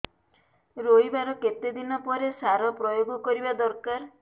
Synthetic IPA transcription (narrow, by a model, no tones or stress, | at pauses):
ɾojbaɾɔket̪ed̪inɔpɔɾesaɾɔpɾɔjoɡɔkɔɾibad̪ɔɾkaɾ